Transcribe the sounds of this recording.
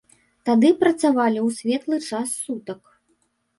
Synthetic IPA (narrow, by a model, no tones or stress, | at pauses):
t̪ad̪ɨpɾɐt̪savalʲiwsʲvʲɛt̪lˠɨt͡ʂasːut̪ɐk